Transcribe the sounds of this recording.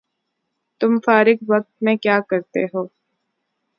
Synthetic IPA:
t̪ʊmfaːɾɪkʋɐk̚t̪̚mẽkjaːkɐɾt̪eɦoː

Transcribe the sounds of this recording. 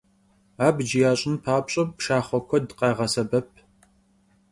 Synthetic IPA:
aːbd͡ʒɪjaːɕʼɪnpʰaːpɕʼɐpʃaːχʷɔkʷʰɔdqɑːʁɐsɐbɐp̚ʰ

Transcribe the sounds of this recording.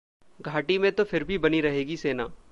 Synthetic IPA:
ɡʱaːʈimẽt̪ofʰɪɾbʱibɐniɾɐɦeːɡiseːnaː

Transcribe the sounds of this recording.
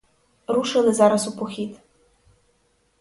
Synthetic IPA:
ɾuʂɨlˠɪzaɾɐsupɔxʲit̪

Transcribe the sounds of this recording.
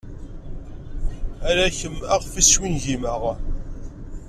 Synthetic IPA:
æɾæçəmæʁfiswinʝiməʁ

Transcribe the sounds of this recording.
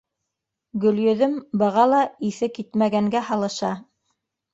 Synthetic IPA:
ɡɵ̆ljɵ̆ðɵmbɤ̆ʁɑlˠɑiθɘkit̪mæɡæŋɡæhɑlˠɤ̆ʃɑ

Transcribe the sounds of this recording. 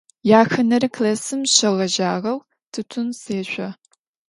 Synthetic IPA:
jaːxɐnɐrklɐsɨmɕɐʁɐʒaːʁɐw | tʰɨtʷʰʊnseːɕʷʼɔ

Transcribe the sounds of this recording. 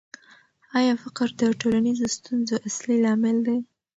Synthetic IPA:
ɑjɑfɪqɾd̪əʈolanizost̪unzoʔaslilɑmɪld̪a

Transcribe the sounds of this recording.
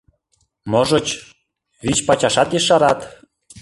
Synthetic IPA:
moʒə̆t͡ɕ | βit͡ɕpɑt͡ɕɑʃɑt̪jeʃɑɾɑt̪

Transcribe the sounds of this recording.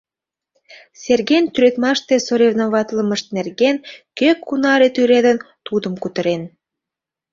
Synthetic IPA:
sʲerɣent̪yɾøt̪mɑʃt̪esoɾevnoβɑt̪ləmə̆ʃt̪̚nerɣenkøkʰːunɑɾet̪yɾed̪ən | t̪ud̪ə̆mkut̪ə̆ɾen

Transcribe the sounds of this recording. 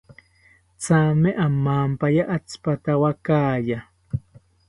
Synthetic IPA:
t͡saːmeʔamːaːmpajaʔat͡spat̪awakaːja

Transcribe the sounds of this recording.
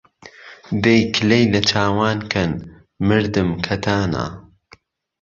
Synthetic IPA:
d̪ejkʰɨlejnɐt͡ʃʰaːwaːnkʰɐn | mɨɾd̪ɨmkʰɐt̪ʰaːna̰ː

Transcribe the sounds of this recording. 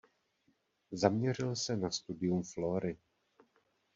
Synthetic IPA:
zamɲɛr̝ɪlsɛnast̪udɪjumflo̞ːɾɪ

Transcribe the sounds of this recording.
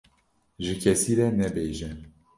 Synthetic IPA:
ʒɨkʰɛsiːɾɛnɛbeːʒɛ

